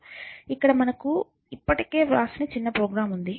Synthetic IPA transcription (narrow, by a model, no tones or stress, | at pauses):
ikːɐɽɐmɐnɐku | ipːɐʈike̞ːɾaːsɐneːt͡ʃinːɐpɾoːɡɾaːmund̪i